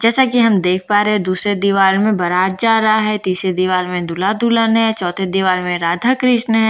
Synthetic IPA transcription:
d͡ʒɛːsakiɦɐmd̪eːk̚ʰpaːɾeɦɛ̃d̪uːsɾed̪iʋaːlmẽbɐɾaːd͡ʒaːɾɐɦaɦɛt̪iːsɾed̪iʋaːlmẽd̪ulad̪ulənɦɛ̃t͡ʃɔːt̪ʰed̪iʋaːlmẽɾaːd̪ʱakɾɪʃnəɦɛ̃

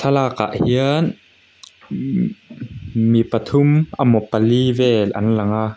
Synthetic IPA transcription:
t̪ʰɐlaːka̰ʔhiən | mipɐt̪ʰʊmʔɐmɔpɐlivɛːlʔɐ̰nlɐŋaː

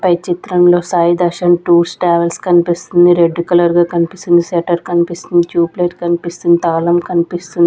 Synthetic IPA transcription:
pɐjt͡ʃit̪ɾɐmlo̞ːsaːjid̪ɐʃɐmʈuːɾsʈaːʋelskɐnipist̪und̪iɾe̞ɖːukʲulɐɾɡaːkɐnipist̪und̪iseʈɐɾkɐnipist̪und̪it͡ʃuːpleːʈkɐnipist̪und̪it̪aːlɐmkɐnipist̪und̪i

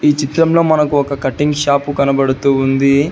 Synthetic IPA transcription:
iːt͡ʃit̪ɾɐmlo̞ːmɐnɐkuɔkɐkɐʈːiŋɡʃaːpukɐnɐbɐɽut̪uːund̪i

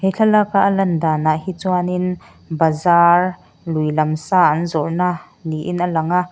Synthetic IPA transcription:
hɛjɬʰalakaʔəlɐnd̪aːnahit͡suanin | bazar | lujlɐmsaːʔɐnzɔrnaː | niʔinʔəlɐŋaʔ

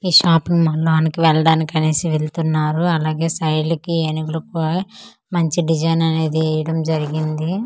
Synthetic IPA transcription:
iːʃaːpnimɐɭːoːnikiʋɛɭɐɽaːnikɐneːsiʋelt̪unːaːɾuɐlaːɡe̞ːsɐjɖlɐkienikɐlɐku | mɐɲt͡ʃiɖid͡ʒɐjnɐne̞ːd̪iɐjɐɽɐmd͡ʒɐɾiɡind̪i

